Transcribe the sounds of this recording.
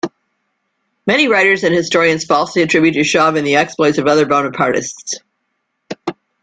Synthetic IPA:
mɛñiɹaɪɾə˞zɨ̃nhɨstɔɹiɨ̃nz̥fɔlˠsliɨtʰɹ̥ɪbjʉɾtɨʃɑvɨ̃nðiɛksploɪtsʌvʌðə˞bãʊ̃nə̥pʰɑɹɾɨ̰sts

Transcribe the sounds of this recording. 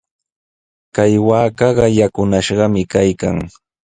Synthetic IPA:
kajwaːkɑɢɑjakʊnaʃɢɑmɪkajka̰ŋ

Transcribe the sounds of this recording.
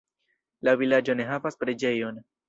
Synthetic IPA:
lavilad͡ʒo̞ne̞ɦavaspɾe̞d͡ʒe̞jo̞n

